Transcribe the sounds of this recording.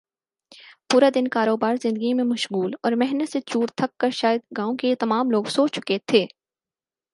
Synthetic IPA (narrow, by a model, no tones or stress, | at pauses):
puːɾad̪ɪnkaːɾoːbaːɾzɪ̃nd̪əɡimẽmɐʃɣuːlɔːɾmɛɦnət̪set͡ʃuːɾt̪ʰɐkːɐɾʃaːjəd̪ɡãːõket̪ɐmaːmloːɡsoːt͡ʃʊ̥ket̪ʰeː